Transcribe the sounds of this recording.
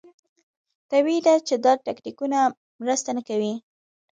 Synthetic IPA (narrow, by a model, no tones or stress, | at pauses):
t̪awid̪at͡ʃed̪aɾʈaknikuna | mɾəst̪anakawi